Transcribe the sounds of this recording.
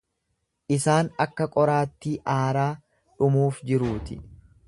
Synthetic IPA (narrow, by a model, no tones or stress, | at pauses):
ʔɪsaːnɐkːɐkʼɔɾaːt̪ːiːʔaːɾaː | ᶑʊmuːfd͡ʒɪɾuːt̪ɪ̰